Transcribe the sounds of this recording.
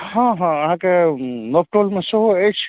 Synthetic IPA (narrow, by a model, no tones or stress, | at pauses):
hãɦãɐɦãkenop̚ʈolmẽsəɦoet͡ʃʰ